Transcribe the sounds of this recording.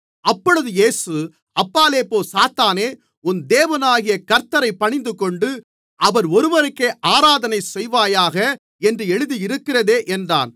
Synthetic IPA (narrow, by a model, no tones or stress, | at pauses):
ɐpːɔɻɯðɯjeːsɯ | ɐpːaːleːpoːsaːt̪aːneː | ʊnd̪eːʋɐnaːɣɪjɐkɐɾt̪ːɐɾɐɪpːɐɳɪnd̪ɯkɔɳɖɯ | ʔɐʋɐɾɔɾɯʋɐɾɯkːeːʔaːɾaːðɐnɐɪsɛjʋaːjaːɣɐ | ɛndrɯɛɻɯðiɪɾɯkːɪrɐðeːʔɛndra̰ːn